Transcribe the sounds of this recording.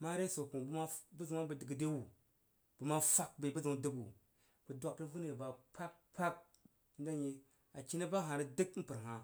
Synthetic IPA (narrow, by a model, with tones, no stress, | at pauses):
ma˦ɾe˦so˨ku˨bu˦ma˦bu˦zu˨ŋa˦bə˨di˨ɡi˨de˦wu˨ | b̥u˨ma˦fa˦k̚be˨bu˦zu˨ŋ˨˦də˦bu˨ | b̥u˨dʷa˨ki˦vu˦ne˨ba˨pʰa˦k̚pʰa˦k̚ | n̩˦da˦ji˦ | a˨t͡ʃi˦na˦ba˦ɦa˨ɾi˦di˦km̩˦pɨ˨ɾɦa˨